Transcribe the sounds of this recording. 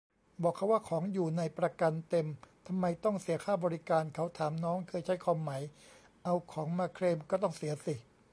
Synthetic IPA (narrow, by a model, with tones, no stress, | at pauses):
bɔː˨˩kʰːa˦˥˩waː˥˩kʰɔː˩˦ŋjuː˨˩na˧jpɾa˧ka˧nt̪e˧mt̪ʰa˧mːa˧jt̪ɔ˥˩ŋsi˩˦ɐkʰaː˥˩bɔː˧ɾi˦kaː˧nkʰa˦˥wt̪ʰaː˩˦mnɔː˦˥ŋkʰɤː˧jt͡ɕʰa˦˥jkʰwaː˧mːa˩˦j | ʔa˧wkʰɔː˩˦ŋmaː˧kʰɾeː˧mkɔː˥˩t̪ɔ˥˩ŋsi˨˩˦ɐsi˨˩